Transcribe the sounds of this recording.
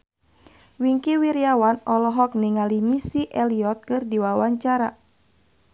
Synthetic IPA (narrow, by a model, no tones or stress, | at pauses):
wiŋkiwiɾiawanɔlɔɦɔk̚niŋalimisiʔɛliɔt̪̚kɨrdiwawaɲt͡ʃaɾa